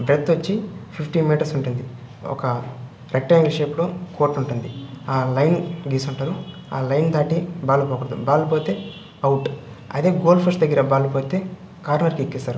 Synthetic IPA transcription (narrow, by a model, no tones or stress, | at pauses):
bɾet̪ːʋɐt͡ʃːipʰipʰʈimiːʈɐɾsuɳʈund̪i | ɔ̰kɐ | ɾek̚ʈɐeŋɡleʃeːploːkoːɾʈuɳʈund̪iaːlɐjnɡiːsuɳʈaːɾu | a̰ːlɐjnd̪aːʈibaːlupoːkuɾd̪ṵbaːlupoːt̪eː | ɐwuʈ | ɐ̰d̪e̞ːɡoːlpʰɐsd̪ɐɡːiɾɐbaːlupoːt̪e̞ː | kaːɾnɐɾkikːisaːɾu